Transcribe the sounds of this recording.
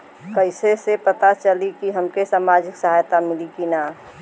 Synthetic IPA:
kəɪsesepət̪at͡ʃəlikiɦəmkesaːmad͡ʒɪksəɦajt̪amɪlikina

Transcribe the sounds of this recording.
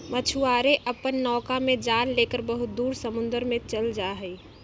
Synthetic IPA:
mət͡ʃʰuaɾeʔəpənːɔːkamed͡ʒanlekəɾbəɦʊt̪̚d̪uːɾsəmʊnd̪əɾmẽt͡ʃəld͡ʒaɦəi

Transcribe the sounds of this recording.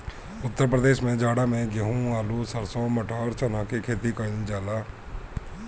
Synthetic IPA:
ʊt̪ːəɾpɾəd̪eːʃmẽːd͡ʒaːɽaːmẽɡəɦũːaːluːsəɾsõːməʈaːɾt͡ʃənãːkekʰeːt̪iːkənd͡ʒaːlaː

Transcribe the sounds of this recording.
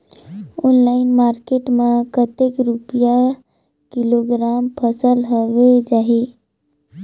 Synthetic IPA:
onlaɪnmaːɾkeʈmẽkət̪ekɾupja | kɪloɡɾaːmpʰəsəlɦoʋed͡ʒaːɦi

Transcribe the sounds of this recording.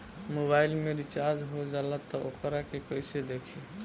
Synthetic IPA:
mobailmeɾit͡ʃaɾd͡ʒɦod͡ʒalat̪ːɔokəɾakekoised̪ekʰe

